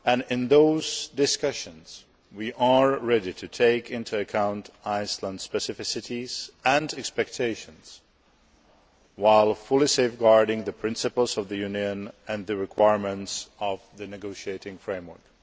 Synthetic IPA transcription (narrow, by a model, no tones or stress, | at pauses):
ɨ̃nɪ̃nðoʊzdɪskʌʃɨ̃nz̥ | wiʔəɹɹɛɾitʰɨtʰeɪkʰɪ̃ntʰuɨkʰãʊ̃ntaɪslə̃nd̥spɛsɨfɪsɨɾiz̥ɨ̃nɛkspɛk̚tʰeɪʃɨ̃nz̥ | waɪlˠfʊlˠiseɪfɡɑɹɾɪ̃ŋðɨpʰɹ̥ɪ̃nsɨpl̩ˠzʌvðɨjʉ̃njɨ̃nɨ̃nðɨɹɪkʰw̥aɪɹmɨ̃ntsʌvðɨnɨɡoʊʃieɪɾɪ̃ŋfɹẽɪ̃mwə̰˞k